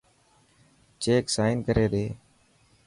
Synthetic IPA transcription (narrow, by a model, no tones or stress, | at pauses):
t͡ʃeːksaːɪnkəɾeːɗ̪eː